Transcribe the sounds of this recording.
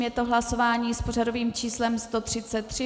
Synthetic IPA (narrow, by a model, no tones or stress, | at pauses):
mjɛt̪oɦlaso̞vaːɲiːspo̞r̝ado̞viːmt͡ʃiːslɛmst̪o̞t̪r̥ɪt͡sɛt̪ːr̥ɪ